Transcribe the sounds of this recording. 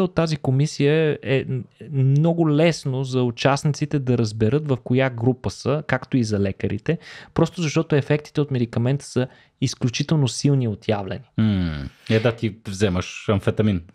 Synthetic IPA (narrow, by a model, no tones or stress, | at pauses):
ot̪ːazikomisijəɛmmnɔɡʊlɛsnozɐʊt͡ʃasnit̪sit̪ɛd̪ɐɾəzbɛɾɤt̪vəfkojaɡɾupəsəkakt̪oizɐlɛkəɾḭt̪ɛpɾɔst̪ʊzɐʃt̪ɔt̪ʊɛfɛk̚t̪i̥t̪ɛot̪mɛd̪ikɐmɛnt̪ə̥sə | isklʲut͡ʃit̪ɛlˠnosilˠniot̪javlʲɛ̰niɛd̪at̪ivzɛməʃɐmfɛt̪ɐmin